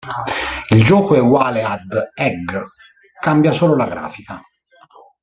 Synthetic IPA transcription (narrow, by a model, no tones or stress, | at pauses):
ild͡ʒɔːkoɛɡwaːlead̪ɛɡ | kambjasoːlolaɡɾa̰ːfika